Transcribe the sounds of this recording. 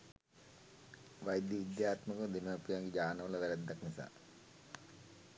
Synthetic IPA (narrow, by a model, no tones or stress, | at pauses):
ʋajd̪jəid̪jaːt̪məkəd̪enəːpijaŋɡid͡ʒaːnəʋələʋæɾɛd̪ːaknisa̰ː